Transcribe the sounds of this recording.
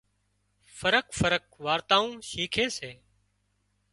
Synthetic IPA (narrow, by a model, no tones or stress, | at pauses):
fəɾəkfəɾək̚ʋaːɾt̪ãːũːʃiːkʰeːseː